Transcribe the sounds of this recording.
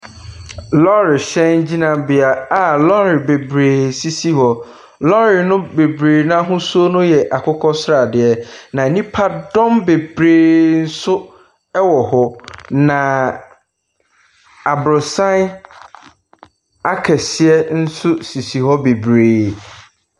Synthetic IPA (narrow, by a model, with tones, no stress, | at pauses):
lɔ˦ɾɪ˨ɕɛ̃˦n˦d͡ʑi˦nã˨bɪ˨a˨a˦˨lɔ˦ɾɪ˨be˨bɾeː˨si˦si˦hɔ˦ | lɔ˦ɾɪ˨nʊ̃˦be˨bɾeː˨nã˦ɦʊ̃˦su˦o˦nʊ̃˦jɛ˨ʔa˨kʰʊ˦kʰɔ˦sɾa˨dɪ˦ɛ˦nã˨nĩ˦pʰa˦dɔ̃˦mbe˨bɾeː˨n̩˦sʊ˦ | ɛ˦wɔ˨hɔ˦nã˨ | a˨bɾʊ˨sã˦n˦ | a˦kʰɛ˨sɪ˦ɛ˦n̩˦sʊ˦si˨si˨hɔ˦be˨bɾeː˨